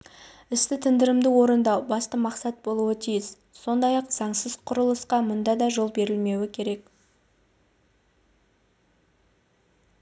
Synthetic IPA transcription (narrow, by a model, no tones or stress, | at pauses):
ɪst̪ɪt̪ʰɪnd̪ɪɾɪmd̪ɪwo̞ɾənd̪ɑbɑst̪əmɑqsɑt̪̚bo̞lˠuət̪ʰijɪz | so̞nd̪ɑjɑqz̥ɑɴsəz̥qʰʊɾəlˠəsqɑmʊnd̪ɑd̪ɑʒo̞lˠbe̞ɾɪlme̞wɪkʲʰe̞ɾe̞k